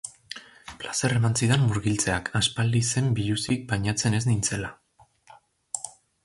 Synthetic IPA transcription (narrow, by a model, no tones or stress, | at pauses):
plase̞re̞mansiðe̞mːuɾɣilt͡se̞akʰaspald̪ise̞mbiʎusik̚bajɲat͡se̞ne̞znint͡se̞la